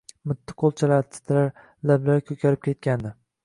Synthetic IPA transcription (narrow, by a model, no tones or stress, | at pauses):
mʊt̪ʰːɪ̥qʰolˠt͡ʃʰalaɾt̪ʰɪ̥t̪ʰlaɾ | lablaɾkʲʰɵkʲʰaɾɪp̚kʲʰe̞t̪̚ʲand̪ɪ